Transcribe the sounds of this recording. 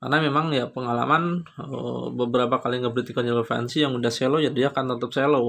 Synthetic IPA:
ka̰rnamemaŋjapəŋala̰manə̰bəbəɾapakaliŋɡapɾit̪ikanələfɛ̰nsijaŋudahselojadiaːkant̪ət̪əp̚selo

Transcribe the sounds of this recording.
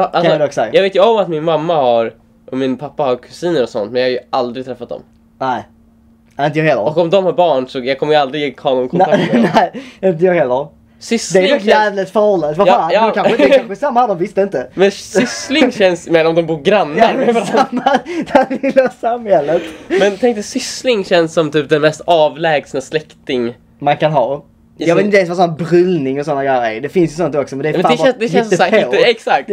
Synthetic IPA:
ʔalasɔd̪ɔksɛjɑːɡveːt̪jəɔmat̪mɪnmamːahaɾ | ʔɔmɪnpʰapːahaɾkʰʉ̥siːnəɾɔsɔ̰nt̪mɛnjɑhajɵald̪ɾɪɡt̪ʰɾɛfːat̪̚d̪ɔ̰m | nɛɪ | ɛɾɪnt̪əjɑːɾeːlaɔɔkɔmd̪ɔmhaɾbɑːɳsɔjɑɡkʰɔməjald̪ɾɪɡjeːkʰɑːnʊnkʰɔnanɛɪɪnt̪̬əjɑːɾheːlaɔ | sʏsd̪ɛæɾɔt̪jæːvlət̪fəɾhɔlːand̪əvaakʰanɛkanɧəsamːad̪ɔmvɪst̪əɪnt̪əmɛnsʏslɪŋɕɛnsmenamd̪ɔmbuːɾɡɾanːasamːad̪aləsamhɛlːət̪mɛnt̪ʰɛŋk̚t̪əsʏslɪŋɕɛnsːɔmt̪ʰyːp̚d̪ɛnmɛst̪ɑːvlɛːɡsnaslɛkt̪ɪŋ | mankanɦɑː | jɑvɪt̪ɪɛnsvasɔnabɾʏlnɪŋɔsɔnːaɡɾɛjəɾæ̰ɾd̪ɛfɪnsjəs̬ɔnt̪ɔksɔmɛnd̪ɛɾaɛd̪ɛɛnsəaɛksakt̪

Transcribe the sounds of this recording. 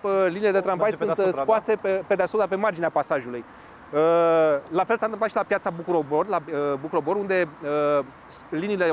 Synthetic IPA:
əlinile̞d̪e̞t̪ɾambajsunskuase̞pepe̞d̪easut̪d̪ape̞mard͡ʒineapasaʒuluj | əlafelsant̪ɨmplat̪ʃilapjat̪sabukuɾo̞borlabukuɾo̞bo̞ɾund̪e̞ə | linile̞

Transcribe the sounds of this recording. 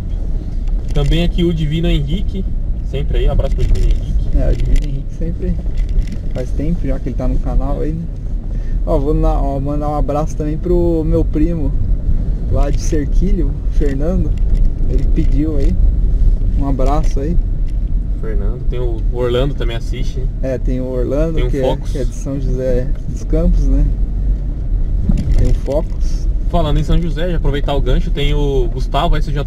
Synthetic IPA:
t̪ɐ̃mbẽj̃akiʊd͡ʒivĩnʊẽɦikɪsẽmpɾɪaĩabɾasʊpɾɐd͡ʒivĩnʊẽɦikɪ̥ɛʊ̰d͡ʒivḭ̃nʊẽɦikɪ̥sẽpɾɪai | fajst̪ẽpʊʒakɪelɪt̪anʊ̃kanawa̰inɛ | ɔvoaɔmɐ̃d̪aũabɾasʊ̥t̪ɐ̃mbẽj̃pɾʊmewpɾĩmʊ | lad͡ʒɪseɾkʰiʎʊfeɾnɐ̃nd̪ʊelɪpɪd͡ʒiwai | ũabɾasʊai | feɾnɐ̃d̪ʊt̪ẽj̃ʊoɾlɐ̃nd̪ʊt̪ɐ̃mẽj̃asist͡ʃɪɛt̪ẽj̃ʊoɾlɐ̃d̪ʊ̃kɪɛfɔkʊ̥kɛd͡ʒɪsɐ̃w̃ʒuzɛd̪ʊskɐ̃pʊznɛ | t̪ẽj̃ʊ̃fɔkʊ̥sfalɐ̃nd̪ẽsɐ̃w̃ʒuzɛʒaapɾovejt̪aʊɡɐ̃ʃʊt̪ẽj̃ʊɡust̪avʊvɛjseʒa

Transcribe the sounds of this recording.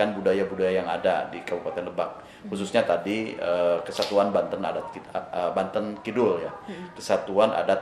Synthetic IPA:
anbudajabudajajaŋa̰da̰dikəbupat̪ɛnləbak̚ | hususɲat̪adiəkəsat̪uanbant̪əna̰dat̪kəbant̪ənkidʊljakəsat̪uana̰da

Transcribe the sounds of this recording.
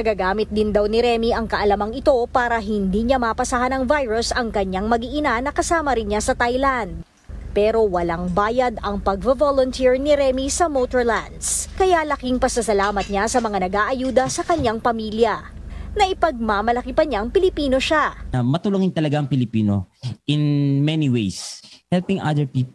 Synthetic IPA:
nɐɡaɡaːmɪt̪̚d̪ɪnd̪awnɪɾɛmiʔɐŋkɐʔɐlɐmɐŋɪt̪o̞paːɾɐɦɪnd̪iɲɐmapɐsahanɐŋvajɹʊsɐŋkɐɲːaŋmɐɡiʔɪnanɐkɐsaːmɐɾɪnɲasɐt̪ajland̪̚ | pɛɾo̞wɐlaŋbaːjɐd̪ɐŋpɐɡ̚vovolont̪iɹnɪɾɛmisɐmot̪oɹla̰nd̪skɐjalɐkɪŋpɐsɐsɐlaːmɐt̪̚ɲasɐmɐŋanɐɡaːʔɐjuːd̪ɐsɐkɐɲaŋpɐmiːljɐnɐʔɪpɐɡ̚mamɐlɐkipɐɲaŋpɪlɪpiːno̞ʃaɐmɐt̪ʊlʊŋɪnt̪ɐlɐɡaɐŋpɪlɪpiːno̰ʔɪnmɛniwejshɛlpɪ̃ŋa̰d̪ɛɹpiːp

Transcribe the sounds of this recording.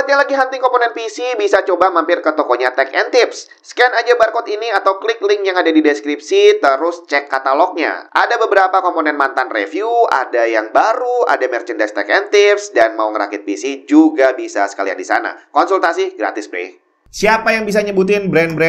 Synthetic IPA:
at̪̚ɲalaɡiɦant̪ɪŋkɔmponɛnpisibisat͡ʃobamampɪrkət̪okɔɲat̪ɛkɛnt̪ɪpsː | kɛɛnad͡ʒabarkɔt̪iniat̪awklɪklɪŋkjaŋadadidɛskɾip̚sit̪əɾʊst͡ʃɛkːat̪alɔk̚ɲa̰ʔa̰dabəbəɾapakɔmponɛnmant̪anrḛfjua̰dajaŋbaɾua̰damərt͡ʃəndɛst̪ɛkɛnt̪ɪpsdanmauŋəɾa̰kɪt̪̚pisid͡ʒuɡabisa̰sə̥ka̰lia̰ndisa̰na̰kɔnsult̪asiɡɾa̰t̪ɪsbɾɪ̰h | siapajaŋbis̬aɲəbut̪̬ɪnbɾɛnbɾɛ

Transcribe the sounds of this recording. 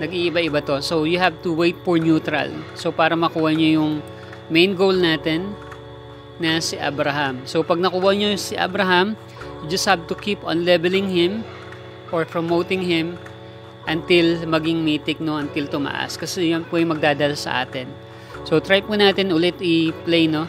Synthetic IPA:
nɐɡiʔɪbaʔɪbɐt̪o̞so̞wjʊhav̚t̪uwejt̪̚fɔɹnjuːt̪ɾɐ̰lsopaːɾɐmɐkuːhɐɲojʊŋ | mejnɡowlnaːt̪ɛn | ɐsɪʔa̰bɾɐɦɐmso̞pɐɡ̚nɐkuːwɐɲosɪʔa̰bɾɐɦɐm | jʊd͡ʒɐst̪̚hab̚t̪ʊkʰipo̰nlɛbɛlɪŋhɪ̃m | ʔoɹpɹomowt̪ɪŋhɪm | ʔɐnt̪ɪlmɐɡɪŋmiːt̪ɪk̚noɐnt̪ɪlt̪ʊmɐ̰ʔa̰skɐsɛjɐnpuɐjmɐɡ̚d̪aːd̪ɐlasɐ̰ʔa̰ːt̪ɛn | so̞t̪ɾajpunaːt̪ɛnʔʊlɛt̪ɪplejno̞

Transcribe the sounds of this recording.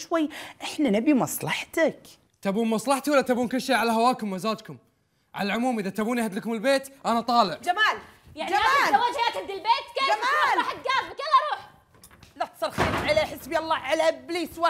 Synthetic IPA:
ʃwajːʔɪħnanabimɑsˤlɑħt̪ak | t̪abuːnmɑsˤlɑħt̪walːat̪abuːnkʊlːʃeːʕalaɦawaːkʊmwazaːd̪kʊm | ʕa̰lalʕʊmuːmʔɪðat̪abuːnihad̪ləkʊmɪlbeːt̪ʔanat̪ˤɑːlɪʕd͡ʒamaːljaʕnd͡ʒiaaːawad͡ʒajaːt̪had̪ilbeːt̪keːd͡ʒamaːlɑħat̪̚ɡaːbkɪlɑɾˤuːħ | lat̪sˤɨɾˤxeːɾʕaleːħɪsbiːʔɑlˤːɑːʕalabliːswa

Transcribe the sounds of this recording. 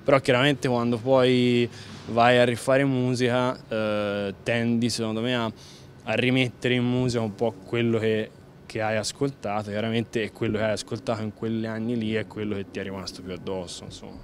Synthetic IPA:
peɾɔkːjaɾament̪ekwand̪opɔj | vajarːifaːɾemuːzika | t̪ːɛnd̪isekond̪omeaː | rːimet̪ːeɾeimmuːzikaumpɔkːwelːoke | kʰːeajaskolt̪aːt̪okjaɾament̪eɛkːwelːokeajaskolt̪aːt̪oiŋkwelːianːiliɛkːwelːoket̪ːiɛrːimast̪opjuad̪ːɔsːo̰inso̰mːa

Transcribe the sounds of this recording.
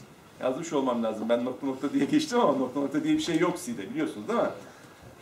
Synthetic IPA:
ja̰zɯmɯʃo̞lˠmamlʲaːzɯmbænːo̞t̪ʰonok̚t̪ʰad̪ijɛɟet͡ʃt̪imamanok̚t̪ʰonokt̪ʰad̪ijɛbiʃe̞jːo̞ksid̪ɛbilʲijo̞sunuzd̪ama

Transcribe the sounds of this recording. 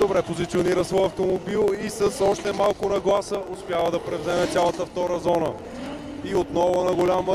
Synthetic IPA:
d̪̥obɾɛpozit̪sioniɾəsvɔjɐft̪omobilˠisəsɔʃt̪ɛmalˠkʊnɐɡlˠasəʔospʲjavəd̪ɐpɾɛvzɛmɛt̪sʲjalˠət̪əft̪ɔɾəzɔnə | iot̪nɔvʊnɐɡolʲamə

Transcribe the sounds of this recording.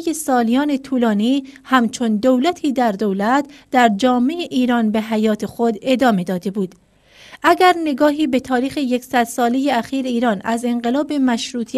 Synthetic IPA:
jesɒːlijɒːne̞t̪ʰuːlɒːniːhæmt͡ʃʰo̞nd̪owlæt̪ʰiːd̪æɾd̪owlæt̪d̪̥æɾd͡ʒɒːme̞eʔiːɾɒːnbe̞ɦæjɒːt̪ʰe̞xo̞d̪e̞d̪ɒːme̞d̪ɒːd̪e̞buːd̪̥ | ʔæɡæɾne̞ɡɒːɦiːbe̞t̪ʰɒːɾiːxe̞je̞ksæd̪sɒːle̞je̞æxiːɾeiːɾɒːnæze̞ɴɢe̞lɒːbe̞mæʃɾuːt̪ʰ

